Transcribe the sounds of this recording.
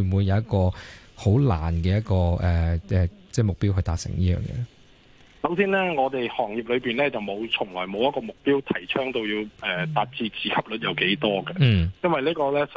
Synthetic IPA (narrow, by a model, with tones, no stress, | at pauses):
wuː˨˧jɐ˨˧wjɐ˥t̚kɔː˧ho˨˥wla̰ː˨˩nkɛː˧jɐ˥t̚kɔː˧ʔɛː˨ɛː˨˩t͡sɛː˥˩mʊ˨k̚piː˥wɦɵ˧ɥt̪aː˨t̚sɪ̰˨˩ŋjiː˥jœ̰ː˨˩ŋjɛ̰ː˧ | sɐ˨˥wsiː˥nlɛː˥ŋɔː˨˧t̪e˨jhɔː˨˩ŋjiː˨p̚lɵ˨˧ɥpiː˨nlɛː˥t͡sɐ˨wmo˨˧wt͡ʃʰʊ˨˩ŋlɔː˨˩jmo˨˧wjɐ˥t̚kɔː˧mʊ˨k̚piː˥wt̪ʰɐ˨˩jt͡ʃʰœː˥ŋt̪o˧wjiː˧wɛː˨t̪aː˨t̚t͡siː˧t͡siː˨˧kʰɐ˥p̚lɵ˨˧t̚jɐ˨wke˨˥jt̪ɔː˥ɡɐ˧˥˩jɐ˥nwɐ˨jliː˥kɔː˧lɛː˥s